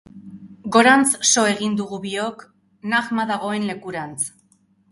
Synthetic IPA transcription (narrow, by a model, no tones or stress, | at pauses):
ɡo̞ɾant͡sso̞e̞ɣind̪uɣuβio̞k | naɣmaðaɣ̞o̞e̞nle̞kuɾant͡s